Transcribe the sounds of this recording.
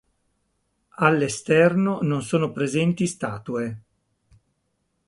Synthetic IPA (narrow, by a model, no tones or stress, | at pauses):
alːest̪ɛrnononsoːnopɾezɛnt̪ist̪aːt̪ue